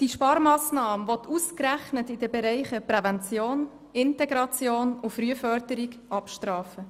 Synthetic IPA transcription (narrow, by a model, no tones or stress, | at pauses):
d̥iʃpɑːɾmɑːsnɑːməvɔt̪ʰuskræχnətɪd̥əbɛɾɛɪχəpɾɛvɛnt͡sjoːn | ɪntɛɡɾɑt͡sjoːnʊfɾyəfœɾdəɾiɡʔɑpʃtrɑːfə